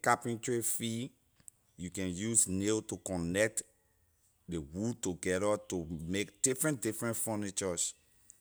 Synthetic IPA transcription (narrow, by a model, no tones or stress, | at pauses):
kapĩntɹifi | jukɛ̃njusneltukɔ̃nɛk̚t | dewutuɡɛɾatumekd̥ifɹɛ̃ndifɹɛ̃ntfɔnit͡ʃɔs